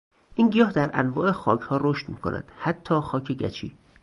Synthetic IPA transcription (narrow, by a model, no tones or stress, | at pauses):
ʔiːnɡijɒːɦd̪æɾʔæ̰nvɒːʔe̞xɒ̰ːcʰhɒːɾoʃt̪miːkʰo̰næ̰d̪̥hæt̪ʰːɒːxɒːcʰe̞ɟæ̰t͡ʃʰḭː